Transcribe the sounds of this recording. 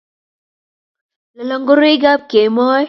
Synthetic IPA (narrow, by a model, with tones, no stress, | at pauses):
la˨lɔ˦˨ŋɡo˦ɾi˦ɡa˦p̚ke˨mɔ˦j